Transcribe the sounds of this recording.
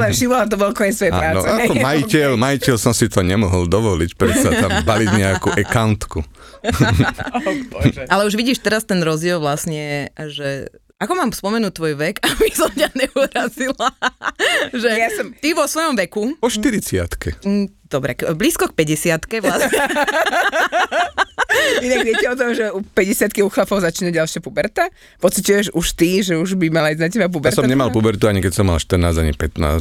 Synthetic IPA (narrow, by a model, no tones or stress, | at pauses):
lɛʃimɔat̪ɔbɔlkɔɲɛsʋɔjapːɾaːnɔ̰ɛaɔmajicɛlmajicɛlsɔmsit̪ɔɲɛmɔɦɔld̪ɔʋɔlicpɾɛsaambaliɟɲɛakuʔɛkant̪kṵ | ʔalɛuʒʋiɟiːʃt̪ɛɾast̪ɛnɾɔzɟɪɛlˠʋlasɲɛʒɛ | akɔmaːmspɔmɛnuːt̪ːʋɔjʋɛkabisɔmcaɲɛuɾazila | ʒɛjasɔmt̪iʋɔsʋɔjɔmʋɛkupɔʃtt̪iɾit͡sɪa̰t̪kʰɛd̪̥ɔbɾɛ̰kbliːskɔk̚pɛɟɛsɪat̪kɛʋlas | inaɡʋɪɛcɛɔt̪̬ɔmʒɛupɛɟɛsɪat̪kiuːxlapɔʊzat͡ʃiːnaɟalʃɪapubɛɾt̪a | pɔt͡sicujɛʒuʃt̪iʒɛuʒbimalaiznac̬ɛbap̬ubɛaɾtsɔamɲɛmalpubɛɾt̪uaɲikɛcsɔmːa̰lʃt̪ərɾnaːza̰ɲḭpɛt̪na̰ːs